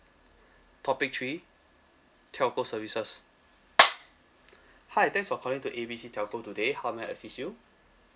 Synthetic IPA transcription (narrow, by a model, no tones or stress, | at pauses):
tʰɔpik̚tʰɹi | tʰɛkosəvisəs | haat̪ɛ̃ŋsfɔəkʰɔlĩŋtuʔebisitʰɛkotudehawmɛ̃ə̰sisju